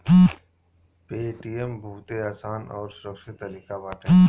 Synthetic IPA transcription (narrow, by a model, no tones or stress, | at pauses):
peːʈiːɛmbʱuːt̪eaːsaːnɔːɾsʊɾəkʃɪt̪ːəliːkabaːʈe